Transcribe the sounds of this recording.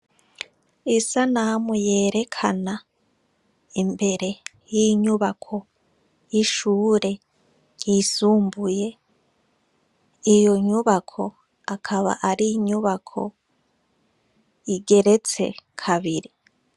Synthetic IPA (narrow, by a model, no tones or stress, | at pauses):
isanamuje̞ːɾe̞kʰa̰na | imbe̞ɾe̞ | jiɲuβakʰo̞ | jiʃuːɾe̞ | jisuːmbuje̞ | ijo̞ɲuβakʰo̞ | akʰaβa̰ʔaɾiɲuβakʰo̞̰ | iɡe̞ɾe̞t͡se̞̰kʰaβiɾi